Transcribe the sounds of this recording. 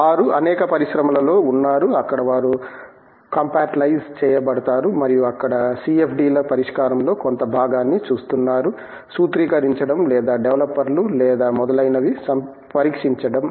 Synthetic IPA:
ʋaːɾuɐnɛːkɐpɐɾisɾɐmɐlɐlo̞ːunːaːɾuɐkːɐɽɐʋaːɾu | kɐmpaːʈlɐjst͡ʃɛːjɐbɐɽɐt̪aːɾumɐɾijuɐkːɐɽɐsiepʰɖiːlɐpɐɾiʂkaːɾɐmlo̞ːkont̪ɐbʱaːɡaːnːit͡ʃuːst̪unːaːɾu | suːt̪ɾiːkɐɾiɲt͡ʃɐɽɐmlɛːd̪aːɖeʋlɐpːɐɾlulɛːd̪aːmɔd̪ɐlɐjnɐʋisɐm | pɐɾiːkʂiɲt͡ʃɐɽɐm

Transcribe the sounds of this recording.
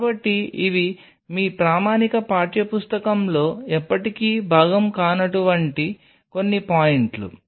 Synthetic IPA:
bɐʈːiiʋi | miːpɾaːmaːnikɐpaːɾʈjɐpust̪ɐkɐmlo̞ːɛpːɐʈikiːbʱaːɡɐmkaːnɐʈuʋɐɳʈi | ko̞nːipaːjiɳʈlṵ

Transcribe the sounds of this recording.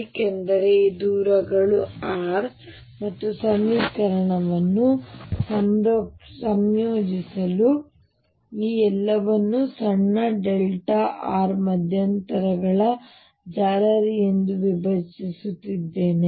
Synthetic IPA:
kend̪ɐɾed̪uːɾɐɡɐɭuaːɾ | mɐt̪ːusɐmːiːkɐɾɐɳɐʋɐnːusɐmɾsɐmjoːd͡ʒisɐlu | iːɛlːɐʋɐnːusɐɳːɐɖelʈaʔaːɾmɐd̪ʱjɐnt̪ɐɾɐɡɐɭɐ | d͡ʒaːɾɐɾijend̪uʋibʱɐɾt͡ʃisut̪ːid̪ːe̞ːne

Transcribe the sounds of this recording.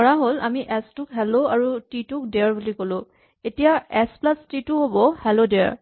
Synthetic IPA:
ɔɹaɦola̰miʔɛstʊkɦɛloaɹutitʊk̚dɛɹbulikolʊ̃ | etijaɛsplastitʊɦobɔhɛlodɛa̰ɹ

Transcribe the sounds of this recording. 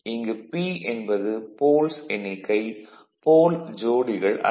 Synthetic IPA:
ɪŋɡɯpiɛnbɐðɯpoːlsɛnɪkːɐɪ | poːld͡ʒoːɽɪɣɐɭʔɐ̰

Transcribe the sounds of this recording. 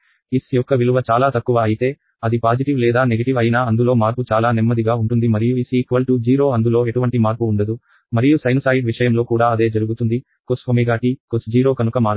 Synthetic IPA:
isjɔkːɐʋiluʋɐt͡ʃaːlaːt̪ɐkːuʋɐːjit̪e̞ː | ɐd̪ipaːd͡ʒiʈiʋlɛːd̪aːneɡɐʈiʋɐjinaːɐnd̪ulo̞ːmaːɾput͡ʃaːlaːnemːɐd̪iɡaːuɳʈund̪imɐɾijuisikʋɐlʈud͡ʒiːɾo̞ːɐnd̪ulo̞ːe̞ʈuʋɐɳʈimaːɾpuːɳɖɐd̪u | mɐɾijusɐjnɐsaːjiɖʋiʂɐjɐmlo̞ːkuːɽaːɐd̪e̞ːd͡ʒɐɾuɡut̪und̪i | kosʋɐmiɡaːʈikosd͡ʒiːɾo̞ːkɐnukɐmaːɾ

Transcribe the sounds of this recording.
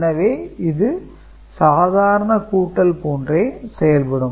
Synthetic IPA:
nɐʋeːɪðɯ | saːðaːɾɐɳɐkuːʈːɐlpoːndreːsɛjɐlpɐɽɯm

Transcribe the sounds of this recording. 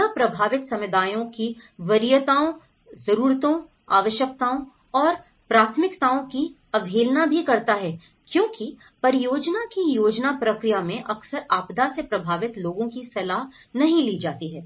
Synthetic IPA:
apɾɐbʱaːʋɪt̪sɐmɪd̪aːjõkiʋɐɾɪjət̪aːõ | zɐɾuːɾt̪õ | a̰ːʋəʃjək̚t̪aːõ | ɔːɾ | pɾaːt̪ʰmɪkt̪aːõki | ɐbʱeːlnabʱikɐɾt̪aɦɛː | kjõːki | pɐɾjoːd͡ʒnakijoːd͡ʒnapɾɐkɾijamẽʔɐksəɾaːpd̪asepɾɐbʱaːʋɪt̪loːɡõkisɐlaːɦ | nɐɦĩliːd͡ʒaːt̪iɦɛː

